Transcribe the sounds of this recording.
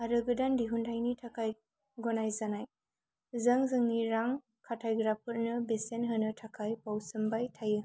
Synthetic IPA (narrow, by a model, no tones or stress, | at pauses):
aɾɯɡɯdandiɦundʰajnitʰakʰaj | ɡɔnajzanaj | zɐŋzɯŋniɾaŋ | kʰatʰajɡɾapʰɯɾnɯbesenɦɯnɯtʰakʰajpawsɯmbajtʰajɯ